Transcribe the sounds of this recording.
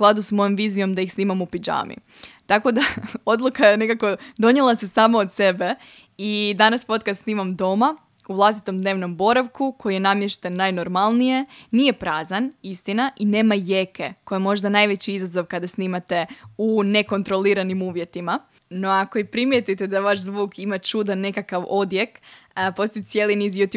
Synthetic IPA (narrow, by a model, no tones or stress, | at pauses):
usklˠad̪usmo̞jo̞mʋiːzijo̞md̪aixsniːmamupid͡ʒa̰ːmḭ | t̪ako̞d̪ao̞d̪lˠukajene̞kako̞d̪o̞ɲelˠasesaːmaot̪se̞be̞ | id̪anaspo̞t̪kad̪sniːmamd̪o̞ma | uʋlˠast̪i̥t̪o̞md̪ne̞ːʋno̞mbo̞ɾaʋkukʰo̞jije̞namjeʃt̪enːajno̞ɾmalˠnije̞nije̞pɾaːzanist̪inaʔine̞ːmajekeko̞jemo̞ʒd̪anajʋet͡ɕiizazo̞ʋkad̪asniːmat̪e̞une̞ko̞nt̪ɾo̞liɾanimuːʋje̞t̪ima | no̞ako̞ipɾimjet̪it̪ed̪aʋaʃzʋuːkʰimat͡ʃud̪anːe̞kakaʋo̞d̪je̞kpo̞st̪oj̪sje̞ːlinizjut̪